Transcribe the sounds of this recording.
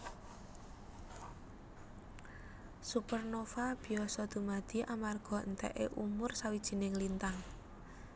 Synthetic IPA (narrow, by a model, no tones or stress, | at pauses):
supərnofab̥i̤ɔsɔd̪̥ṳmad̪̥i̤ʔamarɡ̥ɔ̤ənt̪ɛ̰ʔeʔumʊrsawid̥ʒ̥i̤nɪŋlint̪aŋ